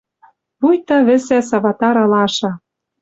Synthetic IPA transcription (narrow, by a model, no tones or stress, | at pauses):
βujt̪ɑβɘ̆sæsɑβɑt̪ɑɾɑlɑʃɑ